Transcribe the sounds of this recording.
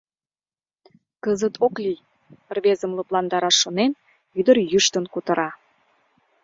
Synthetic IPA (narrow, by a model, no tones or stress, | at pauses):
kəzət̪ʰoklij | ərβezəmluplɑnd̪ɑɾɑʃːonen | yd̪ərjyʃt̪ənkut̪ə̆ɾɑ